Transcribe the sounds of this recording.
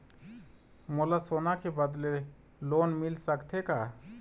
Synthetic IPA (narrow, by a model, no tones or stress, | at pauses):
molasonakʰebəd̪le | lonmilsəkt̪ʰeka